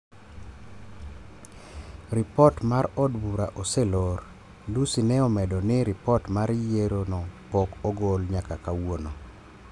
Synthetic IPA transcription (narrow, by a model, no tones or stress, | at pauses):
ɾɪpɔtmaɾɔdbuɾaʔoselor | lusinɛɔmɛdɔnɪɾɪpɔtmaɾjeɾonɔpɔkɔɡolɲakakawono